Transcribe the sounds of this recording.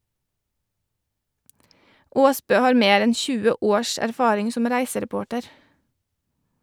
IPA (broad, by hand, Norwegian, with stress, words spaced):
ˈoːsbøː ˈhɑːɾ ˈmeːɾ ˈɛn ˈçʉːə ˈoːɾʃ æɾˈfɑːɾɪŋ ˈsʊm ˈɾæɪsəɾɛˌpoːʈəɾ